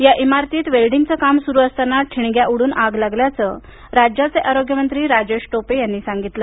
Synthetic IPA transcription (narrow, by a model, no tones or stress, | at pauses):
jaʔimaɾt̪iːt̪ʋelɖiŋɡt͡səkamsuɾuːəst̪anːaʈʰiɽɡjaʔuɽuːnʔaɡlaɡljat͡sə | ɾad͡ʑjat͡seʔaɾoɡjəmənt̪ɾiːɾad͡ʑeɕʈopejanːiːsaŋɡit̪lə